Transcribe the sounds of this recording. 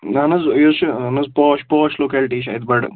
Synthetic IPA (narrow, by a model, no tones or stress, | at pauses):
nanɐzjot͡ʃɐnɐzpɔːʃpɔːʃloːkɛːlʈiːʃa̰ːid̪̚bɐʈ